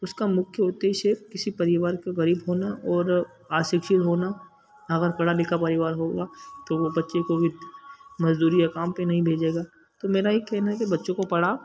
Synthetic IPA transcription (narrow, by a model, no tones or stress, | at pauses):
ʊskamʊkʰjəoʊt̪eɦiʃefkɪsipɐɾɪʋaːɾkeɣɐɾiːbɦoːnaʔɔːɾ | aːʃɪkʃɪt̪ɦoːna | ɐɣəɾkɐɽalɪkapɐɾɪʋaːɾɦoːɡaːt̪oʋobɐtːʃekobimɐzd̪uːɾijakaːmpẽnɐɦĩbʱeːd͡ʒeːɡaː | t̪omeːɾajekɛɦnaɦɛkebɐtːʃõkopɐɽa